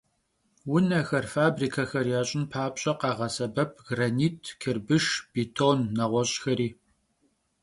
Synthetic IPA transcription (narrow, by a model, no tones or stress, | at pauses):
wʊnɐxɐrfaːbriːkʰɐxɐrjaːɕʼɪnpʰaːpɕʼɐqɑːʁɐsɐbɐp̚ʰɡraniːtʰkʰɪrbɨʂb̥itʰoːnːɐʁʷɔɕʼxɐɾiː